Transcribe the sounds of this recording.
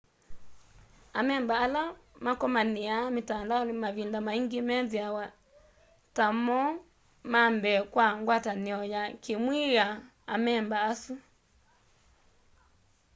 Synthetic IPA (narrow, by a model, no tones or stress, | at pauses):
amɛmbaːlamakɔmaniamitanlamaβindamaiŋɡimɛðjawa | tamɔ | mambɛkwaŋɡwataniɔjakimwiɣa | amɛmbaːsu